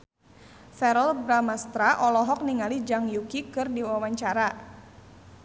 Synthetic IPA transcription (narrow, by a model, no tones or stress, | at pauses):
fɛɾɔlbɾamast̪ɾaʔɔlɔɦɔk̚niŋalid͡ʒaŋjukikɨrdiwawaɲt͡ʃaɾa